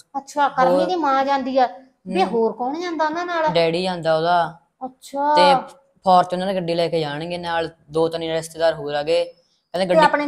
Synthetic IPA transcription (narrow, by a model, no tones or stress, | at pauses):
ətːʃʰaːkəɾoːmːd̪iːmãːd͡ʒãːnd̪iːɛː | biːɦoːɾkɔːnd͡ʒãːnd̪aːʊnaːnaːlɖɛːɽiːd͡ʒãːnd̪aːoːd̪aː | ətːʃʰaːt̪eː | pʰɔːɾt͡ʃʊnaːneɡəɖiːlɛːkeːd͡ʒaːɽ̃ẽːɡeːnaːld̪oːt̪əniːɪst̪eːd̪aːɾɦoːɾaːɡeː | kəd̪ẽːɡəiaːpneː